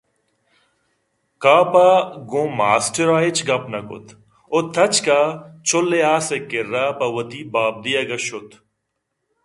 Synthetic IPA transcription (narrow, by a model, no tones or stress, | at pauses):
kaːpaːɡõːmaːsʈəɾaːɪt͡ʃɡɐpnɐkʊ̰t̪ʰ | ot̪ʰɐt͡ʃkaːt͡ʃʰolːeaːsekɪɾaːpɐwɐt̪iːbaːb̚d̪ijɐɡɐʃʊt̪ʰ